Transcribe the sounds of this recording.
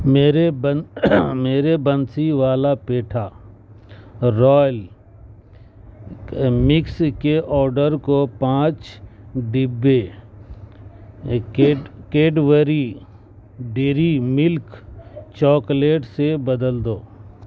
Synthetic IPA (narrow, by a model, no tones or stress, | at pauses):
meːɾeb | meːɾebənsiʋaːlapeːʈʰa | ɾɔːjl | mɪkskeʔɔːɾɖəɾkopãːt͡ʃɖɪbːe | keːɖʋəɾi | ɖɪɾimɪlkt͡ʃɔːkleːʈsebəd̪əld̪oː